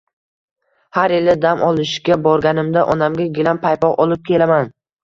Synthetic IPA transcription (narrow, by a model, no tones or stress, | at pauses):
haɾelɪd̪amʔɒlˠɪʃɡʲabɒɾɡʲanɪmd̪aʔɒnamɡʲaɡʲɪlanpʰajpɒʁʔɒlˠɪp̚kʲʰe̞laman